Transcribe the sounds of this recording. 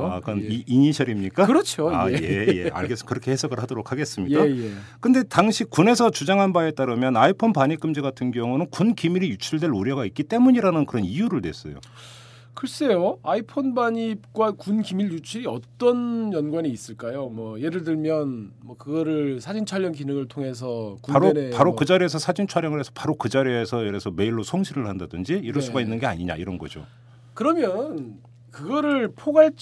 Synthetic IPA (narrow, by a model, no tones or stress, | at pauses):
akɯʌniiɲiɕʰʌɾimɲik͈akɯɾʌt͡ɕʰoa̰ejejea̰ɭɡes͈kɯɾʌkʰehe̞sʰʌɡɯɭhadoɾokʰaɡe̞s͈ɯmɲidajekɯnde̞taŋɕʰikune̞sʰʌt͡ɕud͡ʑaŋɦanbae̞t͈aɾɯmjʌnaipʰonpaɲik͈ɯmd͡ʑiɡatʰɯnɡjʌŋunɯnkunkimiɾijut͡ɕʰiɭdwe̞ɭuɾjʌɡaik͈it͈e̞muɲiɾanɯnkɯɾʌnijuɾɯɭdwe̞̰s͈ʌ̰jo̰ | kɯɭs͈e̞joaipʰonbaɲip̚k͈wakunkimiʎjut͡ɕʰiʌt͈ʌnjʌnɡwaniːs͈ɯɭk͈ajomwʌje̞ɾɯɭdɯɭmjʌnmwʌkɯɡʌɾɯɭsʰad͡ʑint͡ɕʰwaʎːjʌnkinɯŋɯɭtʰoŋe̞s̬ʰʌkupaɾnepaɾokɯd͡ʑaɾiesʰʌsʰad͡ʑint͡ɕʰwaɾjʌŋɯɭɦesʰʌ̥paɾokɯd͡ʑaɾiesʰʌjeɾesʰʌme̞iɭːosʰoŋɕʰiɾɯɭhandadɯnd͡ʑiiɾʌɭs͈uɡainːɯnɡe̞a̰ɲiɲa̰iɾʌnɡʌd͡ʑo̰ | kɯɾʌmjʌn | kɯɡʌɾɯɭpʰoɡaɭt͡ɕ